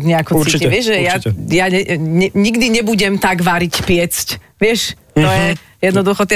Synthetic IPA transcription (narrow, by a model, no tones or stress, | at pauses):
ɲɛakɔiɪɛʒʒɛjajaɲɛɲɛɲiɡd̪iɲɛbuɟɛmt̪aɡʋaɾicpɪɛt͡sc | ʋɪɛʃ | t̪ɔjɛ | jɛd̪nɔd̪uxɔt̪